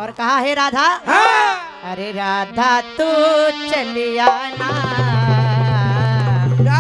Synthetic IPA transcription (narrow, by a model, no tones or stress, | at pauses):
ɔːɾkɐɦaɦɛɾaːd̪ʱa | ɐɾeɾaːd̪ʱat̪ut͡ʃɐlijaːna